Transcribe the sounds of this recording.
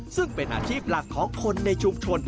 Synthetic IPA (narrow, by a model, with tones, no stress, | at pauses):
sɨ˦˥k̚ɓe˨˩nʔa̰ː˨˧˩t͡ɕi˦˥˩p̚laː˨˩t̚xɔ˨˦xʰo˧nːe˧˩t͡ɕʊ˧˩ŋ͡mt͡ɕʰo˨˩ən